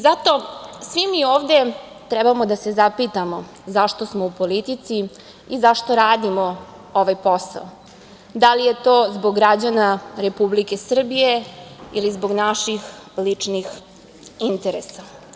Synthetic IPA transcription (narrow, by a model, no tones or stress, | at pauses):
zat̪o̞sʋimioːʋd̪e̞ | t̪ɾɛbamo̞d̪ase̞zapit̪amo̞ | zaʃt̪osmoupo̞lit̪it̪si | izaʃt̪o̞ɾaːd̪imo | oʋajposa̰o | d̪alije̞t̪oːzboɡːɾad͡ʑanaɾe̞publike̞sr̩bije̞ilizboɡnaʃixlit͡ʂnix | int̪eɾesa